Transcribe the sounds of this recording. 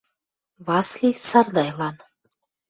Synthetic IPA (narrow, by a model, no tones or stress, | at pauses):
βɑslʲisɑrd̪ɑjlɑn